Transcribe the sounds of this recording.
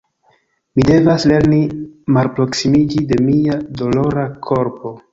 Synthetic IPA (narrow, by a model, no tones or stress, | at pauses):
mide̞vasle̞ɾnimalpɾo̞ksimid͡ʒide̞miado̞lo̞ɾakʰo̞ɾpo̞